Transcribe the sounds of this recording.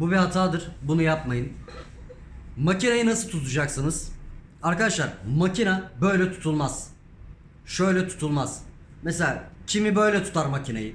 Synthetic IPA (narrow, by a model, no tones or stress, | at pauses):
bubiɦat̪ʰaːd̪ɯɾ̥bunujapmajɯn | macinajɯnasɯlˠt̪ʰut̪ʰud͡ʒaksɯnɯz̥ | aɾkad̪aʃlˠaɾmacʰinabø̞jlʲɛt̪ʰu̥t̪ʰulˠmaz̥ | ʃøjlʲɛt̪ʰu̥t̪ʰulˠmaz̥ | mɛselʲacʰimibø̞jlʲɛt̪ʰu̥t̪ʰaɾmacʰina̰jɯ